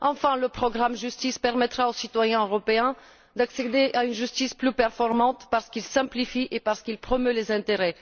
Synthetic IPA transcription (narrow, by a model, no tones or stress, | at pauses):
ɑ̃fɛ̃ləpχɔɡʁamʒyst̪ispɛʁmɛt̪χaosit̪wajɛ̃øʁɔpeɛ̃ | d̪aksed̪eaynʒyst̪isplypɛʁfɔʁmɑ̃t̪paʁsə̥kilsɛ̃plifiʔepaʁsə̥kilpχɔmølezɛ̃t̪eʁɛ